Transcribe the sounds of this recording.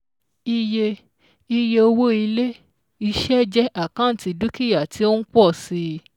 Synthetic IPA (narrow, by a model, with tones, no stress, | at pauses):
i˧je˧ | i˧je˧o˧wo˦i˧le˦ | i˧ʃɛ˦d͡ʒɛ˦ʔa˦˨kã˦n̩˨ti˧du˦ki˦ja˨tʰi˨˦o˦n̩˦k͡pɔ˦˨si˧